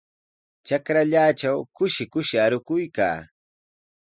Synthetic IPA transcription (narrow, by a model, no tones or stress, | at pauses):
t͡ʃakɾaʎaːt͡ʃawkʊʃɪkʊʃɪaɾʊkʊjka̰ː